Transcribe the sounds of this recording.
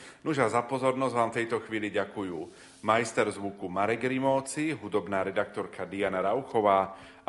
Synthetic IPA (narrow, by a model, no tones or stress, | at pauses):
nuʒazapɔzɔɾnɔzʋaːmft̪ɛjt̪ɔxʋiːliɟakujuː | majst̪ɛɾzʋukumaɾɛɡɾimɔːt͡siɦud̪ɔbnaːɾɛd̪ak̚t̪ɔɾkad̪ijanaɾaʊxɔʋaː